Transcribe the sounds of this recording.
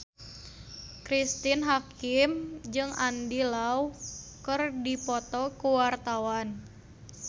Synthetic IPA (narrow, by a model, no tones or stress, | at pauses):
kɾist̪inɦakɪmd͡ʒɨŋandilaukərdipɔt̪ɔkuwart̪awan